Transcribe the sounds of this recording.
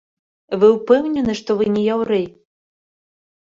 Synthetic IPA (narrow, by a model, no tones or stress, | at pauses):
vɨwpɛwnʲɛnɨʂt̪ɔvɨnʲɛjawɾɛj